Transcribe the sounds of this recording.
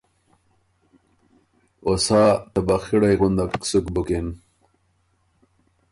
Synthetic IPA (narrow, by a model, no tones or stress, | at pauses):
osɑːt̪abaxiɽajɣund̪aksukbukin